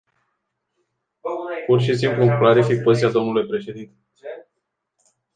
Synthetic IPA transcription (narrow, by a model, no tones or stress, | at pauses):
purʃisimpluklaɾifik̚pozit̪iad̪o̞mnulujpɾe̞ʃe̞d̪int̪e